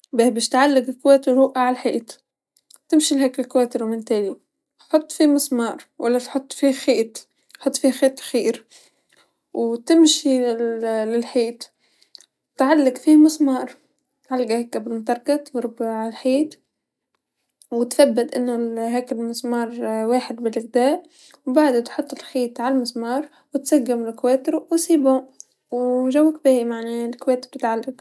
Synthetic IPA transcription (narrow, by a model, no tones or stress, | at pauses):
beːhbeːʃt̪ʕalːɪɡɪlkweːt̪ɪɾɾuːʔaʕalħiːt̪ | t̪ɪmʃilɦeːkɪlkweːt̪ɪɾwmɪnt̪eːli | ħʊt̪ˤːfimɪsmɑːɾˤwʔalːat̪ħʊt̪ˤːfixeːt̪ | ħʊt̪ˤːfixeːt̪ˤxiːɾ | wt̪ɪmʃi | lɪlħiːt̪ | t̪ʕalːaɡfiːmɪsmɑːɾˤ | t̪ʕalːɡahekːabɪlmt̪ˤɑɾˤkɑt̪vɾbʕalħiːt̪ | wɪt̪fabːɪt̪ʔɪnːʊɦaːkɪlmɪsmɑːɾˤwaːħɪd̪bɪlʔɪɣd̪aːʔ | wbaʕd̪at̪ħʊt̪ˤːɪlħiːt̪ʕalmɪsmɑːɾˤ | wɪt̪saɡːɪmlkweːt̪ɾwsˤiːbu | wʒawːak̚bɪhmaʕnelkweːt̪b̚t̪ɪt̪ʕalːaɡ